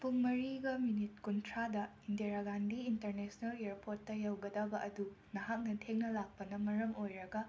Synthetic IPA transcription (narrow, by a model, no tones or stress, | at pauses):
puŋmɐɾiɡɐminitkuntʰɾadɐindiaɾaɡandiintɐɾnesnɐleɾpotːɐjɐwɡɐd̪ɐbɐʔɐdu | nɐɦak̚nɐtʰeŋnɐlak̚pɐnɐmɐɾɐmojɾɐɡɐ